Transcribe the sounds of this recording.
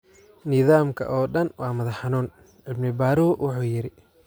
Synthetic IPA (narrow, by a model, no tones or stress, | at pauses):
nɪðaːmkʰɐ̰ʔɔːɖɐnwɑːmɐðɐħɑnuːn | ʕɪbnɪbaːɾuːwɑħuːjɪɾɪ